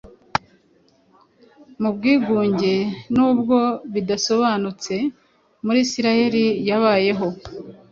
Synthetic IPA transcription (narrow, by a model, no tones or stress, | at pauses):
mub̚ɡiːɡuːɲɟe̞nuːbɡo̞βidaso̞βaːnut͡se̞ | muɾiːsiɾaje̞ɾijaβaːje̞ɦo̞